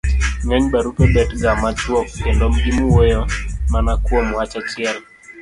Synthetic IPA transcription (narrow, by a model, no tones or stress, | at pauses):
ŋɛɲbaɾupebɛtɡamat͡ʃwɔkːendɔmɡimuwojomanakwomwat͡ʃat͡ʃɪɛl